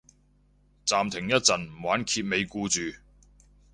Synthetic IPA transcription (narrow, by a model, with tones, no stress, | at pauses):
t͡saː˨mt̪ʰɪ˨˩ŋjɐ˥t̚t͡sɐ˨nm̩˨˩waː˨˥nkʰiː˧t̚me˨˧jkuː˧t͡ʃyː˨